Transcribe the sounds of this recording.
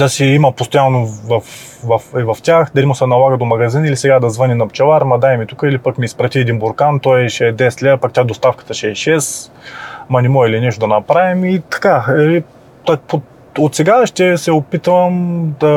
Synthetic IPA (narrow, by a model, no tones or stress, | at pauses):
d̪ɐsiimɐpost̪ojanːovɐf | vɐfɛvɐftʲaxd̪ɐlimʊsɛnɐlˠaɡəd̪omɐɡɐzinilisɛɡad̪ɐzvɤninɐpt͡ʃɐvˠaɾmɐd̪ajmit̪ukəilipəkmiːspɾɐt̪ʲiɛd̪inboɾkant̪ɔjʃɛɛd̪ɛst̪lʲapakt̪ʲad̪ost̪afkə̥t̪əʃɛːʃɛs | mɐnʲimɔilinɛʃt̪od̪ɐnɐpɾavimit̪ɐ̥kai | t̪po | ot̪sɛɡaʃt̪ɛsɛopit̪vɐmd̪ɐ